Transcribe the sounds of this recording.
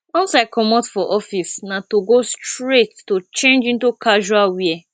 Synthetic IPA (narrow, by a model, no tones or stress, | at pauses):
ɔ̃nsaɪkʰɔmɔtfɔʔɔfisnãtoɡostɾetːot͡ʃẽnd͡ʒĩntukʰaʒualwiɛ